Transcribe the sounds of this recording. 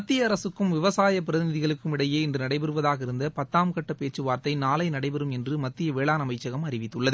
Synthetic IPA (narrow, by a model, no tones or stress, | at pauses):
mɐt̪ːɪjɐːɾɐsɯkːɯmʋɪʋɐsaːjɐp̬ɪɾɐðɪnɪðɪɣɐɭɯkːɯmɪɽɐjeːɪndrɯnɐɽɐɪpɛɾɯʋɐðaːɣɐɪɾɯnd̪ɐpɐt̪ːaːmkɐʈːɐpeːt͡ʃːɯʋaːɾt̪ɐɪnaːlɐɪnɐɽɐɪpɛɾɯmɛndrɯmɐt̪ːɪjɐʋeːɭaːnɐmɐɪt͡ʃːɐɣɐmɐrɪʋɪt̪ːɯɭːɐð